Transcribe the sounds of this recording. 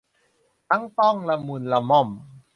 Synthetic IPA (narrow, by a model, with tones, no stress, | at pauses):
ʔa˧˥˨ŋt̪ɔ˥˩˨ŋla˧mu˧nla˧mɔ˧˩m